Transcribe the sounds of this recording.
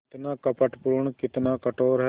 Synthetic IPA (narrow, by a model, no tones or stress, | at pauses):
t̪nãːkəpəʈpuːɳkɪt̪naːkəʈoːɾɦɛ